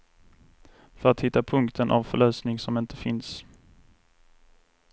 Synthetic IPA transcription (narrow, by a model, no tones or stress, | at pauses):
fœɾat̪hɪt̪ːapʰɵŋkt̪ʰənʔa̰vfœɭœːsnɪŋsɔmɪnt̪ʰə̥fɪns